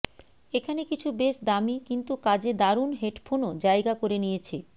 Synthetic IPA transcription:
ekʰanekit͡ɕʰubeʃd̪amikint̪ukad͡ʑed̪aɾunɦeʈpʰonod͡ʑajɡakoɾenijet͡ɕʰe

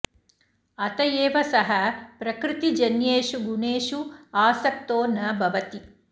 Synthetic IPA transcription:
ɐt̪ɐjeːʋɐsɐɦɐpɾɐkɾit̪id͡ʒɐnjeːʃuɡuneːʃuaːsɐk̚t̪oːnɐbʱɐʋɐt̪i

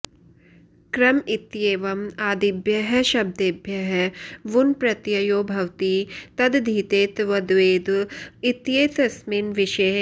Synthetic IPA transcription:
kɾɐmit̪jeːʋɐmaːd̪ibjɐɦɐ̆ʃɐb̚d̪ebʱjɐɦʋunpɾɐt̪jɐjoːbʱɐwt̪it̪ɐd̪d̪ʱiːt̪eːt̪ʋɐd̪ʋeːd̪it̪jeːt̪ɐsminʋɪʃɐ

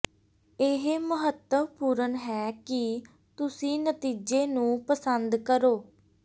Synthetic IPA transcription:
eɦməɦət̪əmpuːɾənɦɛːki | t̪ʊsĩːnət̪iːd͡ʒeːnũːpəsənd̪kəɾoː

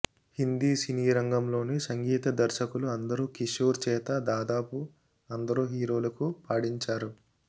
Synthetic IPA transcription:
hind̪iːsiniːɾɐŋɡɐmlo̞ːnesɐŋɡiːt̪ɐd̪ɐɾʃɐkuluɐnd̪ɐɾuːkiʃoːɾt͡ʃɛːt̪ɐd̪aːd̪aːpu | ɐnd̪ɐɾuːɦiːɾo̞ːlɐkupaːɽiɲt͡ʃaːɾu

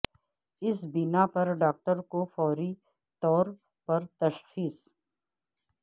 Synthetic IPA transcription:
ɪsbɪnapɐɾɖaːk̚ʈəɾkofɔːɾi | t̪ɔːɾ | pɐɾt̪ɐʃxiːs

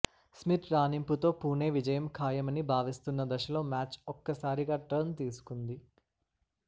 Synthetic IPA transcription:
smiʈ̪ʰɾaːnimput̪o̞ːpuːne̞ːʋid͡ʒɐjɐmkʰaːjɐmɐnibʱaːʋist̪unːɐd̪ɐʃɐlo̞ːmaːt͡ʃɔkːɐsaːɾiɡaːʈɾɐnt̪iːsu̥kund̪i

